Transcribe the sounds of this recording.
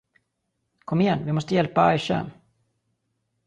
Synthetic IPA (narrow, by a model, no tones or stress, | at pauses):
kʰɔmːɪjɛnːvɪmɔst̪əjɛlpaajʃɛ̰m